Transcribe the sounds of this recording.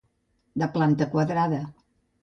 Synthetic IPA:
d̪əplant̪əkwəðɾaðə

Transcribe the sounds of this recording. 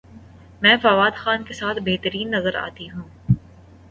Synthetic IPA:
mɛ̃ːfaːʋaːd̪xaːnkesaːt̪ʰbeɦt̪əɾiːnːɐzəɾa̰ːt̪iɦũː

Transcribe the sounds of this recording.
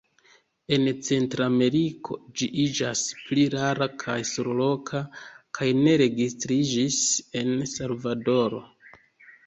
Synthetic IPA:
e̞nt͡se̞ntɾame̞ɾikʰo̞̰d͡ʒiʔid͡ʒaspliɾaɾakʰajsoɾolo̞kʰakʰajne̞ɾe̞ɡistɾid͡ʒise̞nsalvado̞ɾo̞̰

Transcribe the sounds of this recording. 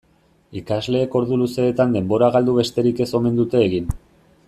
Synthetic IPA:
ikazle̞ːko̞ɾðuluse̞ːt̪and̪e̞mbo̞ɾaɣ̞ald̪uβe̞st̪e̞ɾike̞so̞me̞nd̪ut̪e̞ːɣin

